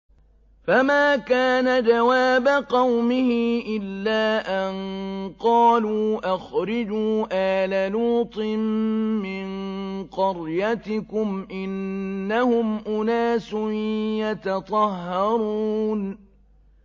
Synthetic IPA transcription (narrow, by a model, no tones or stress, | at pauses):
famaːkaːnad͡ʒawaːbaqɑwmɪhɪʔɪlːaːʔanqɑːluːʔaxɾɪd͡ʒuːʔaːlaluːt̪ˤɨmːɪnqɑɾjat̪ɪkʊmʔɪnːahʊmʔʊnaːsʊjat̪ɑt̪ˤɑhːɑɾˤuːn